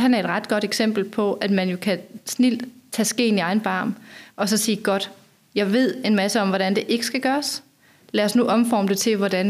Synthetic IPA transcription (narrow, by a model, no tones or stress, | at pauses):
ɦænæɐe̝d̥ʁɑ̈d̥ɡ̥ɒ̽ɾ̥eɡ̥sem̰b̥l̩pʰɒ̽ʔæd̥mænjo̝kʰæsnil̰d̥t͡sʰɛːsɡ̥e̝̰ːniɑ̈ɪn̩b̥ɑ̈ːmʔɒ̽sɒ̽siːɡ̥ɒ̽d̥ | jɑ̈ɪʋe̝ð̞̰ˠe̝nmæsəɒ̽mʋɒɾ̥ænd̥e̝ʔe̝ɡ̥əsɡ̥æɡ̥ɶːɐs | læɐsnuʔɒ̽mfɒ̰ːməd̥e̝t͡sʰe̝ʋɒdæn